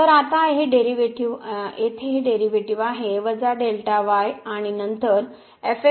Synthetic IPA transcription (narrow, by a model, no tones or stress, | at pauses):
t̪əɾat̪aɦeɖeɾiʋeʈiʋet̪ʰeɦeɖeɾiʋeʈiʋaɦeʋəd͡zaɖelʈaʋajaɽ̃inənt̪əɾ | efe